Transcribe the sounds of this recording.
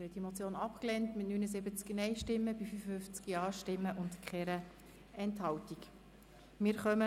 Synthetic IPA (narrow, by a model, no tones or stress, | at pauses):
hɛtdimot͡sjoːnɑpklɛntmɪtnynəzɪbət͡sknɛɪʃtɪmːəb̥ifyfəfʏft͡skjɑːʃtɪmːəʔʊntkχɛːɾə | ɛnthɑltik | mɪːɾχœmə